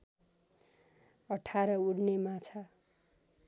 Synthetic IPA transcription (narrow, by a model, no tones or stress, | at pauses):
ʌʈʰaɾʌuɽnemat͡sʰa